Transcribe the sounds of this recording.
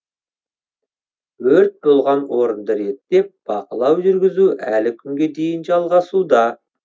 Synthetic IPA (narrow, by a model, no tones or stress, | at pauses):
wɵɾt̪̚bolˠʁɑnwo̞ɾənd̪əɾe̞t̪ːe̞p̚b̥ɑqəlˠɑwʒʏɾɡʲɪzuælɪkʲʰʏŋɡʲe̞d̪e̞jɪnʒɑlˠʁɑsud̪ɑ